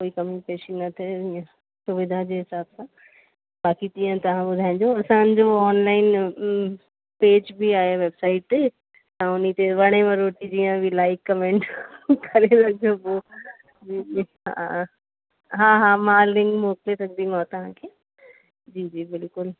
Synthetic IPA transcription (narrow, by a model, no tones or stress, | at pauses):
koːikɐmipeːʃinɐt̪ʰeijã | sʊʋɪd̪ʱad͡ʒeɦɪsaːbsã | baːkit̪ijãt̪ɐʋ̤ãbʊd̪ʱaːɪ̃ɲd͡ʒoɐsãd͡ʒoɔːnlaːɪn | peːd͡ʒbʱiaːeʋebsaːɪʈ̚t̪e | ãʊnit̪eʋɐɽ̃emẽɾoːʈid͡ʒijãbʱilaːɪkːɐmẽːɳʈkɐɾesɐk̚d͡ʒobo | d͡ʒiːiɦã̰ | ɦãːɦãmaːlɪ̃ŋɡmoːklet̪ɐk̚d̪imaːt̪ɐɦãkʰeː | d͡ʒiːd͡ʒiːbɪlkʊl